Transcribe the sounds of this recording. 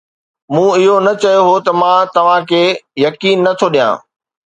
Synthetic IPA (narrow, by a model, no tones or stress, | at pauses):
mũːɪɦonɐt͡ɕɐjoɦot̪ɐmãt̪ɐʋ̤ãkʰeːjɐkiːnːɐt̪ʰoɗijã̰ː